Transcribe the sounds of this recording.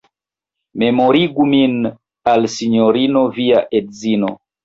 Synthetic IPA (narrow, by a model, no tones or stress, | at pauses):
memoɾiɡumin | alsiɲoɾinoviaʔedzino